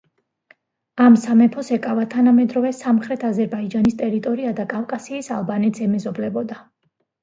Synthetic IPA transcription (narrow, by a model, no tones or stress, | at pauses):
amsamɛpʰɔsɛkʼavat̪ʰanamɛd̪ɾɔvɛsamχɾɛt̪ʰazɛɾbaid͡ʒanist̪ʼɛɾit̪ʼɔɾiad̪akʼafkʼasiːsalˠbanɛt̪sɛmɛzɔblɛbɔd̪a